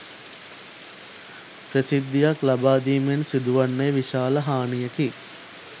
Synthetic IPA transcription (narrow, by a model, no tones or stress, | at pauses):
pɾəsid̪ːijaklabaːd̪iːmensid̪uʋanːəjəʋiʃaːləɦaːnijəki